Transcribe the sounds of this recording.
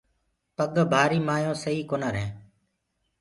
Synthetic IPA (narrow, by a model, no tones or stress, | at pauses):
pəɠbʱaːɾiːmaːjõːsəɦiːkoːnaːɾɦẽː